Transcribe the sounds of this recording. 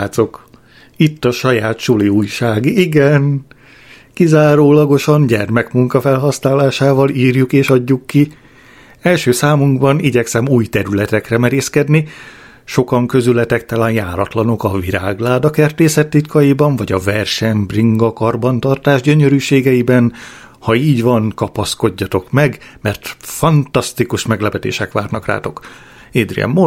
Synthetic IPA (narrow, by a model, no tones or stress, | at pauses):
t̪so̞k | it̪ːɒʃɒjaːt̪ʃuliuːjʃaːɡiiɡɛn | kizaːɾoːlɒɡo̞ʃɒnɟɛrmɛkmuŋkɒfɛlɦɒsnaːlaːʃaːvɒliːrjukeːʃɒɟːukːi | ɛlʃøːsaːmuŋɡbɒniɟɛksɛmuːjt̪ɛɾylɛt̪ɛkrɛmɛɾeːskɛd̪ni | ʃo̞kɒŋkø̞zylɛt̪ɛk̚t̪alaːnjaːɾɒt̪lɒno̞kɒviɾaːɡlaːd̪ɒkɛrt̪eːsɛt̪ːit̪kɒjibɒɱvɒɟɒvɛrʃɛmbriŋɡɒkɒrbɒnt̪ɒrt̪aːʒɟøɲøɾyːʃeːɡɛibɛn | hɒiːɟʋɒnkɒpɒsko̞ɟːɒt̪o̞kmɛɡmɛrt̪fɒnt̪ɒst̪ikuʃmɛɡlɛpɛt̪ḛːʃɛkʋaːrnɒkra̰ːt̪o̞k | eːd̪rḭɛ̰mːo